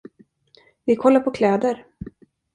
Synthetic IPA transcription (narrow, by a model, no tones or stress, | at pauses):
vɪkʰɔlːaɾpʰɔkʰlɛːd̪əɾ